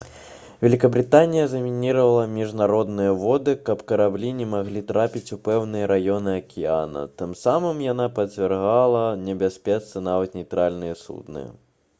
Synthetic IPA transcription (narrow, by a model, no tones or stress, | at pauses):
vʲɛlʲikɐbɾɨt̪anʲijɐzɐmʲinʲiɾɐvɐlˠɐmʲiʐnaɾɔd̪nɨjɐvɔd̪ɨkɐpkɐɾablʲinʲɛmaɣlʲit̪ɾapʲit͡sʲupɛwnɨjɐɾajɔnɨɐkʲʰia̰nɐ̰t̪ɨmsamɨmjan̪apɐt͡sʲvʲɛrɣalˠɐnʲɛbʲasʲpʲɛt̪st̪ɐnavɐt̪nʲɛjt̪ɾalʲnɨjɛsṵd̪nɨ̰jɐ̰